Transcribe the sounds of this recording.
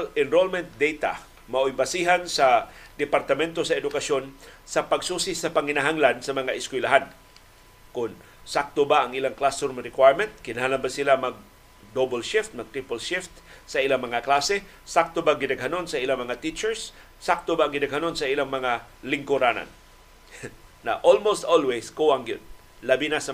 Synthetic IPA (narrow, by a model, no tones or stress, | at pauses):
lɪnɾolmɛnt̪̚d̪ejt̪a̰ | maʔojbasiɦansad̪ɪpaɾt̪amɛnt̪osɐɛd̪ʊkasjonsapaɡsuːsisapaŋɪnaɦaŋlansɐmɐŋaʔɪskwɪlaɦan | kʊn | sak̚t̪obaaŋʔilaŋklast̪oɾmɾɪkwajɹmɛnt̪̚kɪnaɦanlanbasɪlamaɡ̚ | dobalʃɪft̪̚mɐɡ̚t̪ɾipalʃɪft̪sailaŋmɐŋaklasɛ | sak̚t̪obaŋɡɪnaɡɦanonsaʔilaŋmɐŋat̪it͡ʃɛɹsː | ak̚t̪obaːŋɡɪnaɡhanonsaʔilaŋmɐŋalɪŋkʊɾana̰n | aʔolmost̪olweskuaŋɡjod̪̚ | labinasa